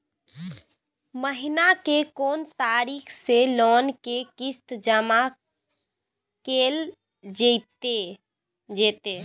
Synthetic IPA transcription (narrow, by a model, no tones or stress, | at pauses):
məɦinakekont̪aɾikʰselɔnkekist̪d͡ʒəma | kel | d͡ʒət̪e | d͡ʒet̪e